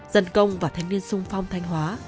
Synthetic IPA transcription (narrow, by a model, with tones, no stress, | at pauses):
z̥ə˧˩nkə˧wŋ͡mvaː˨˩t̪ʰa˨˧jŋ̟ni˧ənsʊ˧ŋ͡mfa˧wŋ͡mt̪ʰa˧jŋ̟ɦwaː˨˦